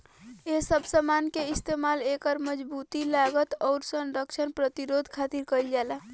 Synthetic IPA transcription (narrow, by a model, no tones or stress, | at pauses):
esəbʱsəmankeist̪emalekəɾməd͡ʒbut̪ilaɡət̪ɔʊɾsənɾəkt͡ʃʰənpɾət̪iɾod̪ʱkʰat̪iɾkəld͡ʒalə